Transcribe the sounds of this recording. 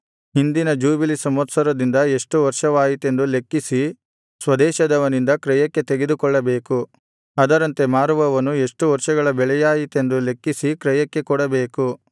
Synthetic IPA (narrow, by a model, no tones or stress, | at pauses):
ɦind̪inɐd͡ʒuːbilisɐmɐt̪sɐɾɐd̪ind̪ɐe̞ʂʈuʋɐɾʂɐʋaːjit̪e̞nd̪ule̞kːisi | sʋɐd̪ɛːʃɐd̪ɐʋɐnind̪ɐkɾɛjɐkːe̞t̪eɡe̞d̪ukɔɭːɐbe̞ːku | ɐd̪ɐɾɐnt̪e̞maːɾuʋɐʋɐnːue̞ʂʈuʋɐɾʂɐɡɐɭɐbɛɭɛjaːjit̪e̞nd̪ule̞kːisikɾɛjɐkːe̞kɔɽɐbeːku